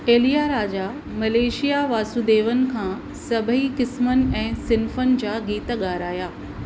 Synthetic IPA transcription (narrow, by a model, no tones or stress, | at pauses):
eːlijaːɾaːd͡ʑa | mɐleːʃijaʋaːsud̪eːʋənɪ̆kʰãː | sɐbʱəɦikɪsmənɪ̆ɛ̃ːsɪnfənɪ̆d͡ʑaːɡiːt̪ɠaːɾaːjaː